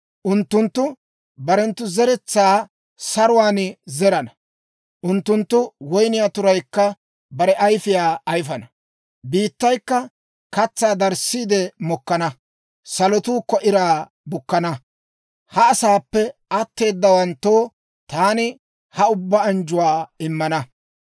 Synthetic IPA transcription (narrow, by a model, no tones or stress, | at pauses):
ʔʊnt̪ːʊnt̪ːʊ | bɐɾɛnt̪ːʊzɛɾɛt͡sːaː | sɐɾʊwaːnzɛɾɐnɐ | ʔʊnt̪ːʊnt̪ːʊwɔjnɪjaːt̪ʊɾɐjkːɐ | bɐɾɛʔɐjfɪjaːʔːjfɐnɐ | biːt̪ːɐjkːɐ | kɐt͡sːaːd̪ɐɾsːiːd̪ɛmɔkːɐnɐ | sɐlɔt̪uːkːɔʔɪɾaː | bʊkːɐnɐ | hɐːsaːpːɛɐt̪ːe̞ːd̪ːɐwɐnt̪ːo̞ː | t̪aːnɪ | hɐʊbːaːnd͡ʒʊwaːɪmːɐnɐ